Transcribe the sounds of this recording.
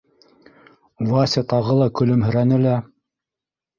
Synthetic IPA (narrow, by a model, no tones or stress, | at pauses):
vɑsʲet̪ɑʁɤlˠɑkɵ̆lɵmɦɵ̆ɾænɘlæ